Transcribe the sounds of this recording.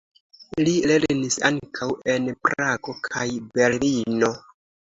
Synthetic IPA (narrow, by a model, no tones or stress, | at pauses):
lile̞ɾnisa̰ŋkʰawe̞npɾaɡo̞kʰajbe̞ɾlino̞